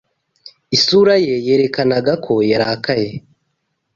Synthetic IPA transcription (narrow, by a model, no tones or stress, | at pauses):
isuɾaje̞je̞ːɾe̞kanaɡakʰo̞jaɾakaje